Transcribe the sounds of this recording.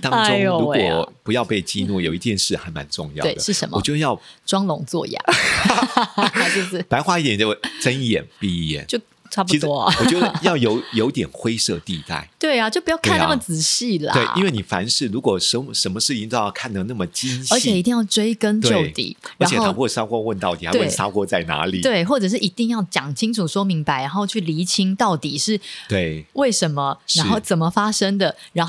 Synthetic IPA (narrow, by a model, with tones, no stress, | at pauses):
t̪ɑ˥ŋ˧ʈ͡ʂʊ˧ɻu˧kwɔ˨˩pu˧˦jɑ˥˧ʊpe˥˩ɪt͡ɕi˥˧nu˥˩jo˨˩i˧˥t̪jɛ˥˧nʂɻ̩˥˩xa˧˥ɪma̰˧˦nʈ͡ʂʊ̰˥˧ŋjɑ̰˥˨we˥˩ɪəʂɻ̩˥˩ʂə̰˧˦nmɔ̰˨˩t͡ɕjo˥˧˦jɑ˥˩ʊʈ͡ʂwɑ˥ŋlʊ˧˥ŋt͡swɔ̰˥˧ja̰˥˩˧ | t͡ɕjo˥˧ʊʂ̩˥˩pa˧ɪxwa˥˧i˥t̪jɛ˨˩t͡ɕjo˥˩ʈ͡ʂə˦njɛ̰˨˩npi˥˧jɛ̰˨˩t͡ɕjo˥˧ʊ | ʈ͡ʂʰpʰui˧˥ʂt̪wɔ˥˨wɔ˨˩t͡ɕjo˥˧ʊ˩jɑ˥˩ʊjo˧˥ʊjo˧ʊi˥t̪jɛ˨˩nxwe˥ɪsɤ̰˥˧t̪ḭ˥˧t̪a̰˥˩ɪt̪we˥˩ɪa˨˩t͡ɕjo˥˩ʊpu˧jɑ˥˧ʊkʰna˥˩mə˨˩t͡sɹ̩˨˩ɕi˥˩lɐ̰wḛ˨˥˩ḭ˥nwe˥˩ɪni˨˩fa̰˧˥nʂɻ̩˥˩ɻu˧˥kwɔ˨˩ʂə˧˦n˧ʂə˧˥nmə˧ʂɻ̩˥˩i˥nt̪jɑ˥˧ʊkʰa˥˧nd̪ə˥˩na˥˩mə˩t͡ɕi˦nə˧˥t͡ɕʰjɛ˨˩i˧˥t̪̬i˥˧ŋjɑ˥˩ʊʈ͡ʂwe˥ɪkə˥nt̪t͡ɕjo˥˧ʊt̪ḭ˨˩˦ə˧˥˨o˥tʰa˥psa˥kwɔ˥˧wə˥˧nt̪ɑ˥˩ʊi˨˩a˥˧e˥˩ɪ˩sa̰˥kwɔ˥t͡sa˥˩ɪna̰˧˥li˨˩t̪we˥˩ɪxwɔ˥˩ʈ͡ʂə˨˩ʂ̬ɻ̩˥˩ʔi˧˥t̪i˥˧ŋjɑ˥˩ʊt͡ɕjɑ˨˩ŋt͡ɕʰi˥ŋʈ͡ʂʰu˨˩swɔ˥mi˧˥ŋpa˧˦ɪɻa˧˦nxo˥˧ʊt͡ɕʰy˥˩li˧˥t͡ɕʰi˥ŋt̪ɑ˥˩ʊt̪i˨˩ʂɻ̩˥˩t̪we˥˩ɪwe˥˩ɪʂə˧˥nmə˧ɻa˧˦nxo˥˩ʊt͡sə˨˩nmə˦fa˥ʂə˥ŋd̪ə˨ɻa˧˥n